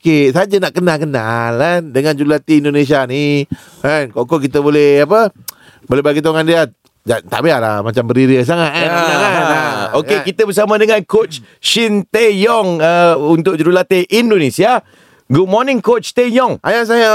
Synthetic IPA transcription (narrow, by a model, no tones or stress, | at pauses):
okesad͡ʒanaʔkənalkənalandəŋãnd͡ʒɾulat̪iːndones̬iani | ankɔʔkɔʔkit̪əbolɛhapə | bolebaɡit̪aŋandia | d͡ʒat̪a̰ʔbeala̰mat͡ʃambəɾiɾəs̬aŋaʔaaŋaaokekit̪əbəs̬amədəŋankot͡ʃ | ʃint̪ejɔŋəunt̪ʊʔ̚d͡ʒɾulat̪eʔindonesia | ɡud̚mɔnɪŋkot͡ʃt̪ejɔŋajas̬aja